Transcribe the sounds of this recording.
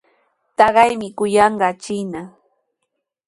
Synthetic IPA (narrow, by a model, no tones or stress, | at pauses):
t̪ɑɢɑjmɪkʊjɑɴɢɑt͡ʃɪna